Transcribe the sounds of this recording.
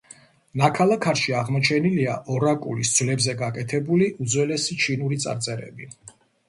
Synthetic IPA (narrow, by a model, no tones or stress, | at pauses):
nakʰalˠakʰaɾʃiaʁmɔt͡ʃʰɛniliaʔɔɾakʼṵlisd̪z̥wvlɛbzɛɡakʼɛt̪ʰɛbuliʔud̪zwɛlɛsit͡ʃʰinuɾit̪sʼa̰ɾt̪sʼɛɾɛ̰bi